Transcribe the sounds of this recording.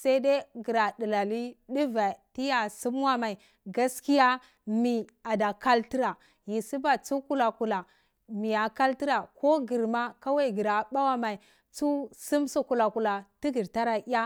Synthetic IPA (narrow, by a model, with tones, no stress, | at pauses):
sa˦de˦ɡi˨ɾa˨di˨la˨li˦di˦va˨ti˦ja˨su˦m˦wa˦ma˨i˨ | ɡa˦ski˦ja˦ | mi˨a˨da˨ka˦lti˦ɾa˨ | ji˨si˦ba˨t͡su˦ku˦la˨ku˨la˨ | mi˨ja˨ka˦lti˦ɾa˨ko˦ɡi˨ɾma˦ka˦wa˦i˨ɡi˨ɾa˨ba˦wa˦ma˨i˨ | t͡su˦su˦msu˦ku˨la˨ku˨la˨ti˦ɡi˨ɾta˦ɾa˦i˦a˦